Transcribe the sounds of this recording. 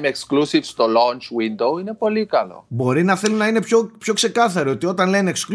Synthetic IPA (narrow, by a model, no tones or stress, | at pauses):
meksklusifst̪olont͡ʃwind̪owine̞po̞likɐlo̞̰bo̞ɾinɐθe̞lunɐine̞pçopço̞kse̞kɐθɐɾio̞t̪io̞t̪ɐnle̞neːksk